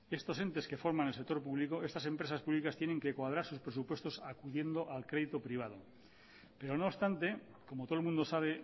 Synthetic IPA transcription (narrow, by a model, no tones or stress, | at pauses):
e̞st̪o̞se̞nt̪e̞ske̞fo̞ɾmanelsek̚t̪oɾpuβlikoe̞st̪asẽ̞mpɾe̞saspuβlikast̪je̞neŋke̞kwað̞ɾaɾsuspɾesupwe̞st̪o̞sakuðje̞nd̪oʔalkɾe̞ð̞it̪opɾiβ̞að̞o | peɾonoːβst̪ant̪e̞ | komot̪oolmũnd̪o̞saβ̞e